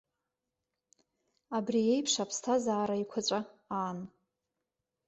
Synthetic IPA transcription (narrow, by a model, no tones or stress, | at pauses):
abriejpʰʂapʰstʰazaːɾaikʷʰat͡ɕʷʼaaːn